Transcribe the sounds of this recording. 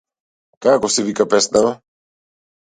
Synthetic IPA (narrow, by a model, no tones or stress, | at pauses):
kakɔsɛvikapɛsnava